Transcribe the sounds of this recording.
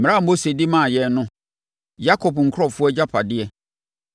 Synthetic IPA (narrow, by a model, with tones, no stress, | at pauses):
m̩˨ɾã˦˨m̩˦bo˦se˨di˦mã˦˨jɛ˨nʊ̃˦ | ja˦kʰɔ˨pŋ̩˨kʰɾɔ˦fʊ˦ɔ˦d͡ʑa˦pʰa˨dɪ˦ɛ˨